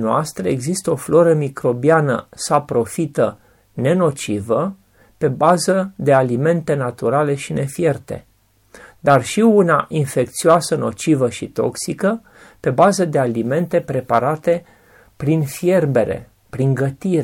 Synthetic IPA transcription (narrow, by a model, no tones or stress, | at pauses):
noast̪ɾe̞eɡzist̪əo̞flo̞ɾəmikɾo̞bianə̰sapɾo̞fit̪ə | ne̞no̞t͡ʃivə | pe̞bazəd̪e̞alime̞nt̪e̞nat̪uɾale̞ʃine̞fje̞rt̪e̞̰ | d̪arʃiunaʔinfe̞k̚t̪sioasəno̞̰t͡ʃivəʃit̪o̞ksikə | pe̞bazəd̪e̞alime̞nt̪e̞pɾe̞paɾat̪e̞ | pɾinfje̞rbe̞ɾḛ | pɾiŋɡət̪iɾ